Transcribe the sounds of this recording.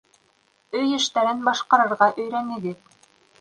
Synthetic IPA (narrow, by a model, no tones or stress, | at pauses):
ɵjɘ̆ʃt̪æɾɘnbɑʃqɑɾɤ̆ɾʁɑʔɵ̆jɾænɘ̆ɡɘð